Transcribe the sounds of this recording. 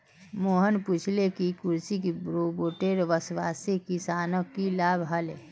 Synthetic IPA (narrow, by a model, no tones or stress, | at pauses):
moːɦənput͡ʃʰlekikʊɾsikibɾoboːʈeɾʋəsʋaːsekisaːnəkːilaːbʱɦəle